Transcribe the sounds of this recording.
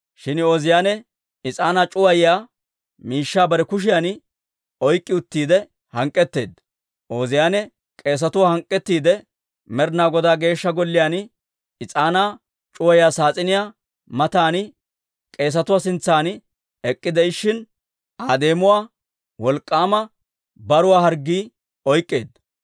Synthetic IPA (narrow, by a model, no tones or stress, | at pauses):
ʃɪnoːzɪjaːnɛ | ɪt͡sʼaːnaːt͡ʃʼʊwɐjjaː | miːʃːaːbɐɾɛkʊʃ̬ɪjan | ɔjkʼːɪʊt̪ːiːd̪ɛ | hɐŋkʼːɛt̪ːe̞̰ːd̪ | ʔoːzɪjaːnɛ | kʼe̞ːs̬ɐt̪ʊwaːhɐŋkʼːɛt̪ːiːd̪ɛ | mɛɾnaːɡɔd̪aːɡe̞ːʃːɐɡɔlːɪjaːn | ɪt͡sʼaːnaː | t͡ʃʼʊwɐjaːsaːt͡sʼɪnɪjaː | mɐt̪aːn | kʼe̞ːs̬ɐt̪ʊwaːsɪnt͡sːaːn | ɛkʼːɪd̪ɛɪʃːɪn | aːd̪e̞ːmʊwaː | wɔlkʼːaːmɐ | bɐɾʊwaːhɐɾɡːiː | ɔjkʼːe̞ːd̪